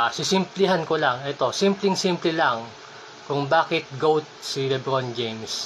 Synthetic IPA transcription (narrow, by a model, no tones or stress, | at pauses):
sɪsɪmplɪɦankolaŋɛt̪o̞simplɪŋsimplɛlaŋ | kʊŋbaːkɪt̪̚ɡowt̪̚silɛbɾond͡ʒejms